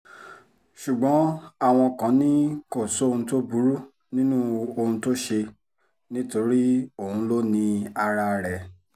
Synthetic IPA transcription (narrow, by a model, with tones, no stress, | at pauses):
ʃu˨ɡ͡bɔ̃˨˦a˦˨w̃ɔ̃˧kã˨˦nĩ˦ko˦˨so˨˦o˦˧ũ˧to˦bu˨˦ɾu˦ | nĩ˦nũ˦o˧hũ˧to˦ʃe˧ | nĩ˦to˧ɾi˦o˦˨hũ˧lo˦nĩ˧a˧ɾa˧˨ɾɛ˨